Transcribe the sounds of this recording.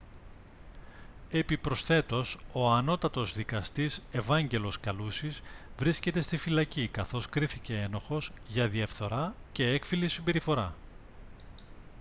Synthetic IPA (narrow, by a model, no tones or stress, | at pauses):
e̞pipɾo̞sθe̞t̪o̞so̞ɐno̞t̪ɐt̪o̞zðikɐst̪ise̞vɐɲɟe̞lo̞skɐlusizvɾisce̞t̪e̞st̪ifilɐcikɐθo̞skɾiθice̞eno̞xo̞zʝɐðiɐfθo̞ɾɐce̞ekfilisimbe̞ɾifo̞ɾɐ